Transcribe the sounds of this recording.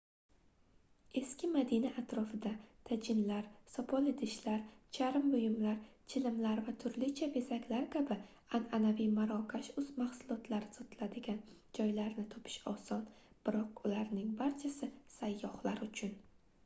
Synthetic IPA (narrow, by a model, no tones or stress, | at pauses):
e̞skʲɪmad̪inaʔat̪ɾɒfɪd̪at̪ʰad͡ʒɪnlaɾsɒpʰɒled̪ɪʃlaɾt͡ʃʰaɾɪmbʊjɪmlaɾt͡ʃʰɪlɪmlaɾvat̪ʰʊɾlɪt͡ʃʰabe̞sakʲlaɾkʲʰabɪ | ananavijmaɾɒkʲʰaʃʊzmaχsʊlˠɒt̪ʰlaɾzɒt̪lad̪ɪɡʲand͡ʒɒjlaɾnɪt̪ʰɒ̥pʰɪ̥ʃɒ̰sɒn | b̥ɪɾɒqʊlaɾnɪŋbaɾt͡ʃʰasɪsajːɒhlaɾʊt͡ʃʰʊn